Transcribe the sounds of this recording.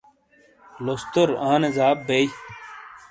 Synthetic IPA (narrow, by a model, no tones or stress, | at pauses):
lost̪oɾãːnezaːbːej